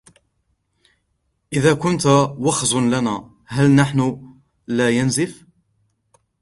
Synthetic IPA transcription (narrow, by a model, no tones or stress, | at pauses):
ʔɪðaːkʊnt̪wɑxzˤʊnlana | ɦælnaħnʊ | laːjanzɪf